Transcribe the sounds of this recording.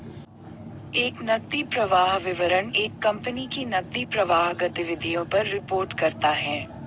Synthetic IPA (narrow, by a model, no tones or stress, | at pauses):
eːknɐɡ̚d̪ipɾɐʋaːɦʋɪʋəɾəneːkːɐ̃mpənikinɐɡ̚d̪ipɾɐʋaːɦɡɐt̪ɪʋɪd̪ʱijõpɐɾːɪpoːɾʈkɐɾt̪aɦɛː